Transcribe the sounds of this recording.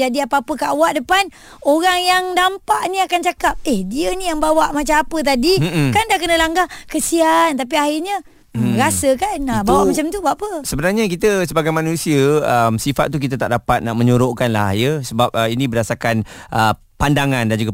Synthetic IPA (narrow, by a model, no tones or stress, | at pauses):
adiapaːpəkaʔawaʔdəpan | oɾaŋjaŋdampaʔniakant͡ʃakap̚ɛhdiənijaŋbawaʔmat͡ʃamapət̪̬adikandahkənəlaŋɡahkəsiant̪ap̬iahirɲã | ɾasəkanabawaʔmat͡ʃamt̪ubaʔpəsəbənarɲak̬it̪əsəbaɡajmanũsiəəmsifa̰t̪̚ːuk̬it̪at̪aʔdapat̪̚naʔməɲuɾoʔkanla̰hjəsəbap̚əinĩbəɾasakanʔə | pandaŋandand͡ʒuɡa